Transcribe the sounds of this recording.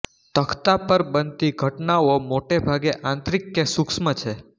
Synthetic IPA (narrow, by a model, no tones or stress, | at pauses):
t̪əkʰt̪apəɾbənt̪iɡʱəʈnaomoʈebʱaɡeʔãnt̪ɾikːesuksmət͡ʃʰe